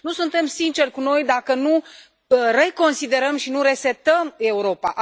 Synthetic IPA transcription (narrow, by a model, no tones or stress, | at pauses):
nusunt̪e̞msint͡ʃe̞rʲkuno̞jd̪akənu | re̞ko̞nsid̪e̞ɾəmʃinuɾe̞set̪əme̞uɾo̞paʔ